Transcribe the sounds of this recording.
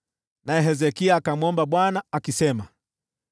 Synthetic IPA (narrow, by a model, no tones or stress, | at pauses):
naɛɦɛzɛkiaːkamɔmbaɓwanaakisɛma